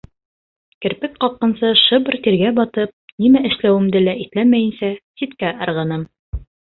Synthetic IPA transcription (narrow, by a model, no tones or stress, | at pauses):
kɘ̆ɾpɘk̚qɑq̚qːɤ̆nsɤʃɤb̆rt̪iɾɡæbɒt̪ɤp̚nimæʔɘ̆ʃlæwɘ̆md̪ɘlæʔit̪læmæjɘ̆nsæsit̪kæʔɑ̆ɾʁɤ̆nɤm